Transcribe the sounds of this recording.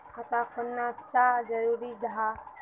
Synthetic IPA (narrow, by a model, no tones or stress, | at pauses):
kʰat̪akʰənːat͡ʃad͡ʒəɾuɾid͡ʒɦa